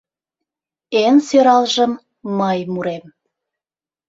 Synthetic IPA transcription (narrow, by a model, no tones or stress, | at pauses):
ensøɾɑlʒəmː | əjmuɾem